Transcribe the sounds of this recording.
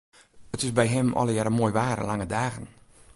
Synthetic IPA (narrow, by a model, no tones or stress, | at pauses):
ətɪsbɛjɦɛmɔ̰ləjaːɾəmoːjʋaːɾ̰laŋədaːɣən